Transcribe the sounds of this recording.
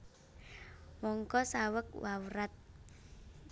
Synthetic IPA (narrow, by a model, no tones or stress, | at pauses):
wɔŋkɔsawək̚wawɾat̪̚